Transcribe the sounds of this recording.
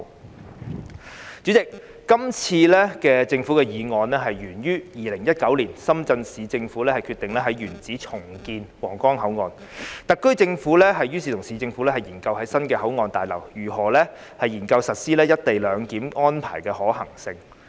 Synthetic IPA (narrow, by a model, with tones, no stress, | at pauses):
t͡sy˨˥t͡sɪ˨k̚ː | ɐ˥mt͡sʰiː˧lɛː˥kɛː˧t͡sɪ˧ŋfuː˨˥kɛː˧jiː˨˧ŋɔː˨˧nlɛː˥ɦɐ˨jjyː˨˩njyː˥jiː˨lɪ˨˩ŋjɐ˥t̚kɐ˨˥wliː˨˩nsɐ˥mt͡sɐ˧nsiː˨˥t͡sɪ˧ŋfu˨˥lɛː˥hɐ˨jkʰy˧t̪ɪ˨ŋlɛː˥ɦɐ˨˥jɥyː˨˩nt͡siː˨˥t͡sʰʊ˨˩ŋkiː˧nwɔː˨˩ŋkɔː˥ŋɦɐ˨˥wŋɔː˧n | t̪ɐ˨kːɵ˥ɥt͡sɪ˧ŋfu˨˥lɛː˥ɦɐ˨jjyː˥siː˨˩ʊ˨˩ŋsiː˨˥t͡sɪ˧ŋfu˨˥lɛː˥hɐ˨˩jiː˨˩nkɐ˧wɦɐ˨˥jsɐ˥nkɛː˧ɦɐ˨˥wŋɔː˧nt̪aː˨jlɐ̰˨˩wjyː˨˩ɦɔː˨˩lɛː˥ | hɐ˨jiː˨˩nkɐ˧wsɐ˨t̚siː˥lɛː˥jɐ˥t̚t̪e˨jlœː˨˧ŋkiː˨˥mŋɔː˥npʰaː˨˩jkɛː˧hɔː˨˥hɐ˨˩ŋsɪ˧ŋ